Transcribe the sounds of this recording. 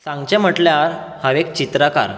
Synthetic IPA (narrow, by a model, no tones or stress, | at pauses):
sãŋɡt͡ɕɛ̃m̤əʈljaɾ | həʋek̚t͡ɕit̪ɾəka̰ɾ